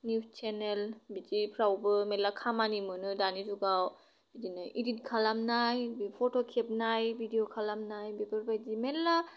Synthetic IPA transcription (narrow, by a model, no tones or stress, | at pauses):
niwt͡ʃʰenelbidipʰɾawbɯmelakʰamanimɯnɯdanizuɡaw | b̥idinɯjʔiɾit̚kʰalamnajbipʰɔtʰɔkʰep̚najbʱidiokʰalamnajbebaɾbajdimelːa